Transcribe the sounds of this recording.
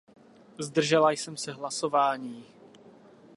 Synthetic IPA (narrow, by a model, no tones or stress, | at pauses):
zd̪r̩ʒɛlajsɛmsɛɦlaso̞vaːɲiː